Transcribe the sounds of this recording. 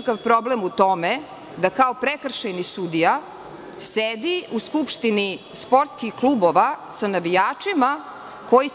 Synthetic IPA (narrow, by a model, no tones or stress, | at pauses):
kaʋpɾo̞blemut̪o̞me | d̪akaopɾekr̩ʃajnisud̪ija | sed̪iuskupʃt̪ini | spo̞ɾt̪skixklˠubo̞ʋasanaʋijaːt͡ʂima | ko̞ji